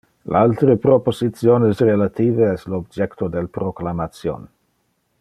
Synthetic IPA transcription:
lalt̪ɾepɾoposit̪t͡sjonesrelat̪iːveɛslob̚d͡ʒɛkt̪od̪elpɾoklamat̪sjo̰n

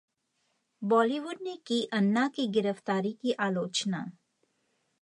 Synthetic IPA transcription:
bɔːliʋʊɖ̚nekiʔɐnːakiɡɪɾəft̪aːɾikiʔaːloːt͡ʃnaː

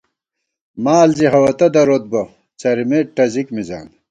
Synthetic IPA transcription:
maːlziɦɐwɐt̪ɐd̪ɐɾot̪̚bɐ | t͡sɐɾimeʈɐzikmiza̰ːn

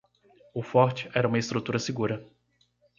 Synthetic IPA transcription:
ʊfɔɾt͡ʃɪ̥ʔɛɾɐũmɐɪst̪ɾut̪uɾɐsɪɡuɾɐ

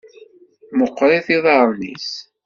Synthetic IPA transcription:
məqːɾˤeθiðˤɑɾˤnḭs

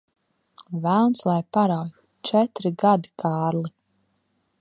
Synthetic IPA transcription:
vælˠnslˠajpaɾawj | t͡ʃɛt̪ɾiɡad̪ikʰaːɾli

